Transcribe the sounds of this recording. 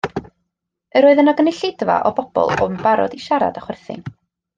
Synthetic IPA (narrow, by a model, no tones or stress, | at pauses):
əɾoːɨðənɔɡənɪɬɪdva̰ʔɔbɔb̥ɔ̰lˠɔmbaɾɔ̰diʃaɾa̰daχwɛrθɪ̰n